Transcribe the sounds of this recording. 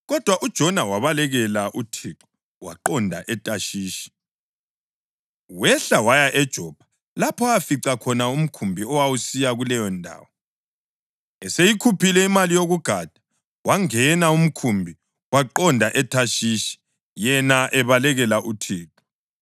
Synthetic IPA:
ɣɔd̥ʱwaʔud̥ʒ̥ʱɔnawaβalɛɣɛlaʔutʰiǁɔ̥ | wa̰ǃɔndʱa̰ʔɛtʼaʃiːʃi̥ | wɛɬawajaʔɛd̥ʒ̥ʱɔb̥ʱḁ | lapʰɔafiǀakʰɔnaum̩kʰumbʱiɔwawusijaɣulɛjɔndʱa̰ːwɔ | ɛsejikʰupʰilɛimalijoɣuɡ̥ʱad̥ʱḁ | waŋɛnaum̩kʰumbʱi | waǃɔndʱaʔɛtʰaʃiʃi̥ | jɛnaʔɛβalɛɣɛlaʔutʰiːǁɔ̥

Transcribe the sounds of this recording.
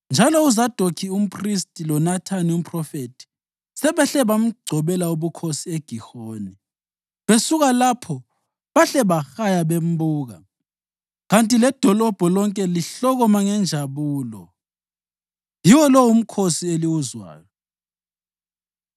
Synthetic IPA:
nd͡ʒʱalɔuzad̥ʱɔkʰium̩pʰʼristʼilɔnatʰanium̩pʰʼrɔfetʰi̥ | sɛβɛɬɛβam̩ɡ͡ǀʱɔβɛlauβukʰosieɡ̥ʱixoːni | βesuɣalapʰɔ | βaɬɛβaxajaβem̩buːɣa | ɣantʼilɛd̥ʱɔlɔb̥ʱɔlɔŋkʼɛliɬɔɣɔmaŋɛnd͡ʒʱaβuːlɔ̰ | jiwɔlɔwum̩kʰosieliwuzwa̰ːjɔ

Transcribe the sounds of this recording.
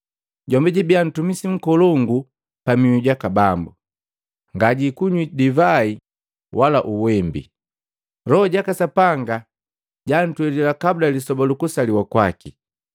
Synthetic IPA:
ɟɔmbɛɟibian̩tumisiŋ̩kɔlɔŋɡu | pamiwiɟakabambṵ | ŋɡaɟikuɲwidivai | wʔalaʔuwɛmbḭ | lɔɔɟakasapaŋɡa | ɟan̩twɛlilakabulalisɔbalukusaliwakwaki

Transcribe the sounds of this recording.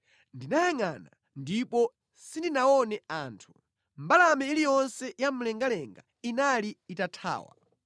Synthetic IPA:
ndinajaŋana | ndipɔ | sindinaɔnɛaːntʰu̥ | m̩balamɛilijɔnsɛjam̩lɛŋɡalɛŋɡa̰ | inaliːtatʰa̰ːwa̰

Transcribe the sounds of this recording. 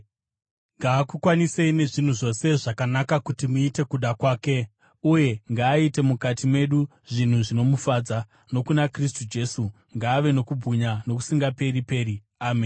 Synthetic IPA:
ŋɡaːkukwaniseine̞ʐin̤uʐo̞se̞ʐakanakakutimuite̞kuɗakwaːke̞ | uje̞ŋɡaːite̞mukatimwe̞ɗu | ʐin̤uʐino̞mufaːd͡za | no̞kunakristud͡ʒe̞su | ŋɡaːʋe̞no̞kubʱuɲano̞k̬u̥siŋɡape̞ɾipe̞ːri | aːmen

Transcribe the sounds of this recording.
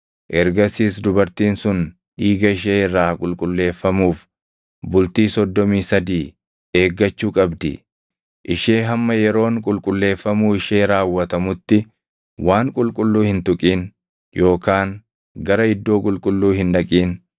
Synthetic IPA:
ʔɛɾɡɐsiːs̬d̪ʊbɐɾt̪iːnsʊn | ʔiːɡɐɪʃ̬eːɪrːaːkʼʊlkʼʊlːe̞ːfːɐmuːf | bʊlt̪iːsɔd̪ːɔmiːsɐd̪iː | e̞ːɡːɐt͡ʃːuːkʼɐbd̪ɪ̰ | ʔɪʃeːɦɐmːɐjɛɾo̞ːŋkʼʊlkʼʊlːe̞ːfːɐmuːɪʃe̞ːɾaːwːɐt̪ɐmʊt̪ːɪ | waːŋkʼʊlkʼʊlːuːhɪnt̪ʊkʼiːn | jo̞ːkaːŋ | ɡɐɾɐɪd̪ːo̞ːkʼʊlkʼʊlːuːhɪnᶑɐkʼiːn

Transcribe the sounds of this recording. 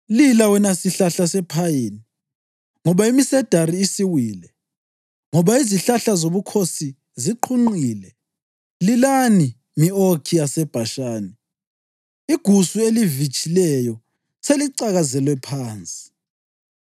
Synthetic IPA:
lilawɛnasiɬaɬasɛpʰajini | ŋɔβaimisɛd̥ʱaɾiːsiwiːlɛ | ŋɔβaiziɬaɬazoβukʰosi | ziǃʰuŋ͡ǃiːlɛ | lilani | miokʰijasɛb̥ʱaʃaːni | iɡ̥ʱusuelivit͡ʃʼilɛjɔ | seliǀaɣazɛlwɛpʰaːnt͡sʼi̥

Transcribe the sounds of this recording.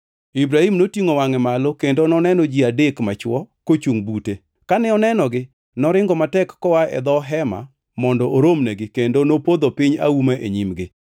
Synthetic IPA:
ibɾahimnotiŋowaŋɛmalokendonɔnɛnɔd͡ʒiadekmat͡ʃwɔkot͡ʃuŋbute | kanɛɔnɛnɔɡɪ | nɔɾɪŋɡɔmatɛkːɔwaɛ̰d̪ɔɦɛma̰ | mɔndɔʔoɾomnɛɡɪkendonopod̪opɪɲa̰umaʔḛɲimɡɪ

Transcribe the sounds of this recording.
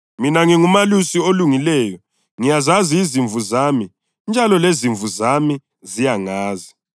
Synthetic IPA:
minaŋiŋumalusioluŋilɛjɔ | ŋijazaziːziɱvuzami | nd͡ʒʱalɔleziɱvuzami | zijaŋaːzi

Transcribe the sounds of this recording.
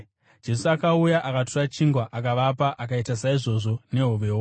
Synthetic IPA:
d͡ʒe̞suakaujaʔakatorat͡ʃiŋɡwaʔakaʋapaʔakaitasaiʐo̞ʐo̞ne̞ɦuʋe̞ːwo

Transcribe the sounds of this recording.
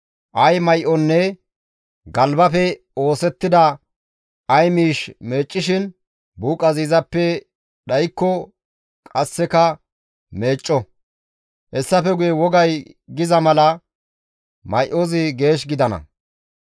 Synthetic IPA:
ʔɐjmɐjʔɔnːɛ | ɡɐlbɐfɛ | o̞ːsɛt̪ːɪd̪ɐ | ɐjmiːʃme̞ːt͡ʃʼːɪʃɪn | buːkʼɐziːzɐpːɛ | ɗɐjkːɔ | kʼɐsːɛkɐ | me̞ːt͡ʃʼːɔ | hɛsːɐfɛɡʊjɛwɔɡɐjɡɪzɐmɐlɐ | mɐjʔozɪɡe̞ːʃ̬ɡɪd̪ɐnɐ̰

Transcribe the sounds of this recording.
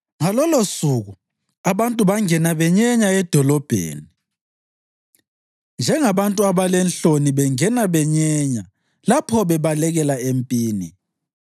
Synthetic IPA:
ŋalɔlosuɣu | aβantʼuβaŋɛnaβɛɲɛɲaɛd̥ʱɔlɔb̥ʱḛːni | nd͡ʒʱɛŋaβantʼuaβalɛnɬoniβɛŋɛnaβɛɲɛɲa | lapʰɔβɛβalɛɣɛlaempʼiːni

